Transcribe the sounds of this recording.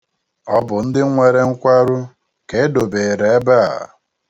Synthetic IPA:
ɔ˦bʊ˨n̩˦dɪ˦ŋʷe˨ɾe˦ŋ̩˦kʷa˦ɾʊ˦ | ke˨˦do˨be˨ɾe˨e˦ba˦a̰˨

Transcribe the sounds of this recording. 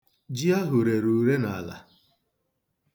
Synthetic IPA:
d͡ʒi˦a˦ɦʊ˨ɾe˨ɾu˨ɾe˦na˨la̰˨

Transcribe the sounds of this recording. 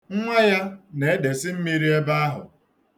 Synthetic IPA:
ŋ̩˦ŋʷa˦ja˦ne˨e˦de˨sɪ˦m̩˦mi˦ɾi˦e˦ba˦a˦ɦʊ̰˨

